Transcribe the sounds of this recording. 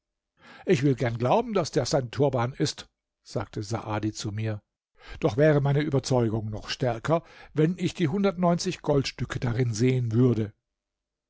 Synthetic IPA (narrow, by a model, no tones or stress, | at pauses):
ʔɪçv̥ɪlɡɛɐnɡlaʊbm̩dasd̥eːɐz̥aɪntʰuɐbaːnɪst | z̥aːk̚tʰəza̰ʔaːdit͡sumiːɐ | d̥ɔχv̥ɛːʁəmaɪnəʔyːbɐt͡sɔʏɡʊŋnɔχʃtɛɐkʰɐvɛnɪçd̥iːɦʊndɐtnɔʏnt͡sɪçɡ̥ɔltʃtʏkʰədaʁɪnzeːənvʏɐdə